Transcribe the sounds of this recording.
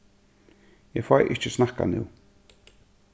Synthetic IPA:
jɛfajʔɪ̰t͡ʃəsnahka̰nɪ̰w

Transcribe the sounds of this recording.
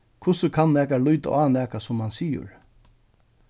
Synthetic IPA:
kʰʊsəkʰanːɛːkaɾlʊjt̪a̰ʔaːnɛːkasʊmːansiːə̰ɹ

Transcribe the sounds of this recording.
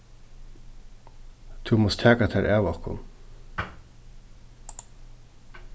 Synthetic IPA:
t̪ʰʊmɔst̪ʰæːkat̪ʰɛːɹʔæːʋɔhkʊ̰n

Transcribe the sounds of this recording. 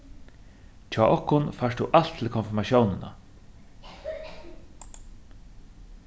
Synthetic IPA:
t͡ʃʰaːʔɔhkʊnfaʂt̪uʔal̥t̪ʰːɪlkʰɔnfɪɾmaʃjownɪna̰

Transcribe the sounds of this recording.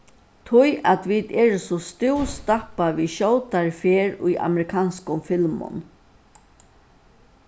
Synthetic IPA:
t̪ʰʊjat̪ʋid̪ɛːɾsɔst̪ɪwst̪apaviʃɔwt̪aɹfeːɾʊ̰ja̰mɛɾɪkʰaːnskʊmfɪlmʊ̰n

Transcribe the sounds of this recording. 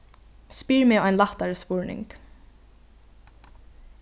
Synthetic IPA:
spiːɹmɪɔjnlaht̪aɹspʊɹnɪ̰ŋk

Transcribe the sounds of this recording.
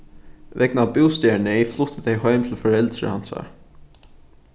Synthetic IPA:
ʋʔɛknaːbuːst̪eːɳəɛiflʊt̪ʰət̪æɪhœʏmt̪ʰɪlfɔɹɛld̪ɾə̰hɑ̰nsɑ̰ː

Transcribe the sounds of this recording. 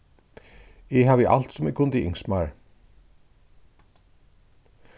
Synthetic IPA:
ɛɦavɪʔa̰l̥t̪sʊmɪkʰʊnt̪iʔɪ̰ŋsmaɹ

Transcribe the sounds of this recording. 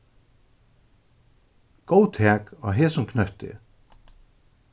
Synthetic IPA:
ɡ̥owt̪ʰɛːkɔɦeːsʊmkʰnœht̪ɪ̰

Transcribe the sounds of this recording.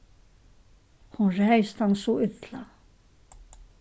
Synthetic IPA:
hunrɛjst̪hanːsuʏt̪la

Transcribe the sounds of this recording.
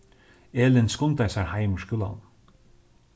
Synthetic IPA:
eːlɪnskʊnt̪ajsaɹhaɪməɹskjʊla̰n

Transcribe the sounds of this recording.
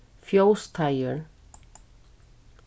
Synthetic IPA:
fjoʊst̪ʰaɪəɹ

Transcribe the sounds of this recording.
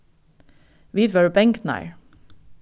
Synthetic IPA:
ʋiːd̪ʋɛɹbɛŋkna̰ɪɹ

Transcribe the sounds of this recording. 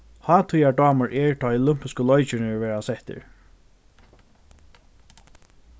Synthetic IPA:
hɑːt̪ʰujaɖɑːməɹʔɛɹt̪ʰɔjɔlʏm̥pɪskəlɔjt͡ʃɪnɪɹʋɛːɹasɛht̪ɪ̰ɹ

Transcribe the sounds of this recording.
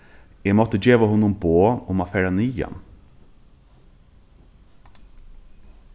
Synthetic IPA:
eːmɔt̪əd͡ʒeːʋəhʊnʊmboːʊmɑfɛɾɑnyːjɑ̰n

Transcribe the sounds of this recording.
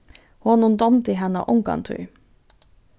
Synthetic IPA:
huɑːnund̪ɔmt̪iːɦɛnə̰ʔʊŋkɑ̰nt̪ʰʉ̰ʏ

